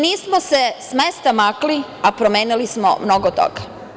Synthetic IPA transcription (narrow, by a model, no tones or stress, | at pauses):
niːsmosesmest̪amakliapɾomeːnilismo̰mnoɡot̪o̰ɡ̥a